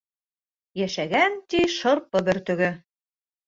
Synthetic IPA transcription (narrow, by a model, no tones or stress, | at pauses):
jæʃæɣænt̪iʃɤ̆ɾpɤ̆bɘ̆ɾt̪ɵ̆ɣɘ̆